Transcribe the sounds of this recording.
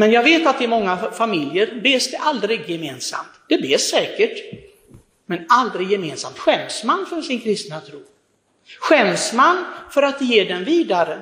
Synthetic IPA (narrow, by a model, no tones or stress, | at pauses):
mɛnjɑːɡveːt̪at̪̚d̪ɛɾmɔŋːafamɪljəɾbeːsd̪ɛʔald̪ɾɪɡjɛmeːnsa̰mt̪d̪̥ɛbeːsːɛːkəʈ | mɛnald̪ɾɪɡjɛmeːnsa̰mt̪ɧɛmsmanːfœɾʂɪnkʰɾɪst̪nat̪ʰɾuː | ɧɛmsmanːfœɾat̪̚ɛjeːɖɛnviːd̪aɾə